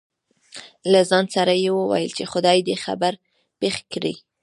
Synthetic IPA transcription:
lazɑnsaɾajewəwa̰jəlt͡ʃexʊd̪ɑjd̪əxa̰baɾ | pexkɽḭ

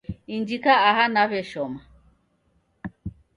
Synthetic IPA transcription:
ind͡ʒikaahanaβeʃoma

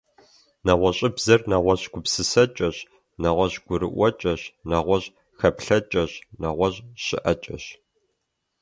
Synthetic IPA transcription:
nɐʁʷɔɕʼɪbzɐrnɐʁʷɔɕɡ̥ʷʊpsɨsɐt͡ʃʼɐɕ | nɐʁʷɔɕɡ̥ʷʊɾɨ̰ʔʷɐt͡ʃʼɐɕnɐʁʷɔɕ | xɐpɬɐt͡ʃʼɐɕnɐʁʷɔɕʼɕɪ̰ʔɐt͡ʃʼɐ̰ɕ

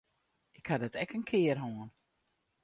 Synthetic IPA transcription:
ɪkhadɔtɛkənkʰɪərɦoən

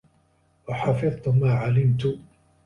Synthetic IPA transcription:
waħɑfɨðˤt̪ʊmaːʕalɪmt̪ʊ

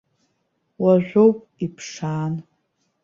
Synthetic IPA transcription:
waʒʷowpʼipʰʂaːn

